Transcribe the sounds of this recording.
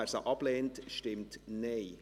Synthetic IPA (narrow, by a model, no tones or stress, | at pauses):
ɛɾsəʔɑpleːntʃtɪmtneɪ